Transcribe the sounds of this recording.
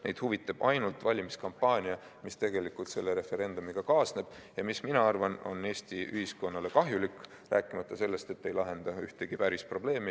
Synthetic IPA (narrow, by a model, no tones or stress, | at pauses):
ne̞jd̪̥huvit̪ːˑɑb̥ɑjnult̪vɑlʲimiskɑmpːˑɑːnʲiɑ | mist̪e̞ɡ̥e̞likːult̪se̞lːe̞ɾe̞fe̞ɾe̞nd̪umiɡ̥ɑkɑːsne̞b̥jɑmisminɑɑrvɑno̞̰nːe̞ːst̪iyhisko̞nːɑle̞kɑɦjulikːˑ | ræːkːˑimɑt̪ːˑɑse̞lːe̞st̪e̞t̪ːe̞jlɑɦe̞nd̪ɑyht̪e̞ɡ̥ipæɾispro̞ble̞ːmi